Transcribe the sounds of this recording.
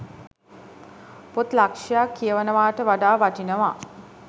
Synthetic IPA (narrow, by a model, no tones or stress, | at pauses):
pot̪lakʂijakːijəʋənəʋaːʈəʋaɖaːʋaʈinəʋa